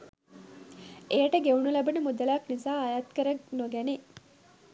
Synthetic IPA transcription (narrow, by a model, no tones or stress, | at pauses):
eːʈəɡeunulɐbɐnemud̪ɐlaːknizaːɐjaːt̪kɐɾɐɡnoɡæne